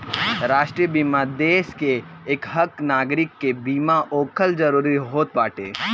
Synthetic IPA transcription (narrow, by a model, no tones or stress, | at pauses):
ɾaːʃʈɾijəbiːmad̪eːskeːkɦɐknaːɡɾɪkːebiːmaʔoːkʰəld͡ʒɐɾuːɾiɦoːt̪̚baːʈḛː